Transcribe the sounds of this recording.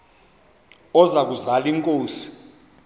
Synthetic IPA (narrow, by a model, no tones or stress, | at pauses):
ɔzak̬uzaliŋkʼoːsi̥